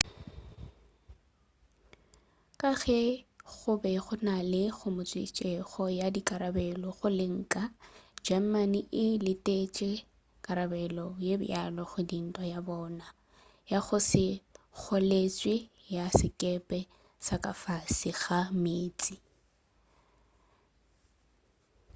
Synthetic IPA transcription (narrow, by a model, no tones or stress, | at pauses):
kʼaɣɛɣʊbɛχʊnalɪɣʊmʊt͡sʼwɪ̰t͡ʃʼɛɣɔjadikʼaɾabɛlɔɣʊlɪŋ̩ːkʼad͡ʒamaniʔɪlɪtʼet͡ʃʼɛ | kʼaɾabɛlɔjebʊ̰jalɔɣʊdin̩tʼwajabɔːna | jaχʊsɪk͡xʰɔlet͡sʼwɪ | jasɪkʼɛpʼɛ | sakʼafasiɣameːt͡sʼi